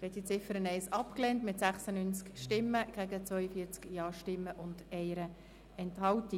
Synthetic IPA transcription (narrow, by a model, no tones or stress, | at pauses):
ɛtit͡sɪfəɾənɛɪsɑpklɛːntmɪtsæχsənynt͡skʃtɪmːəɡ̥æɡət͡sʋvœʏəfiːt͡skjɑːʃtɪmːəʔʊndɛɪɾə | ɛnthɑlti